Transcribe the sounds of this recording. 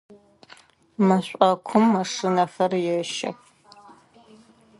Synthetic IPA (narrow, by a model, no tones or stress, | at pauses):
mɐɕʷʼɐkʷʰʊmːɐʂɨnɐxɐrjɛʃɐ̰x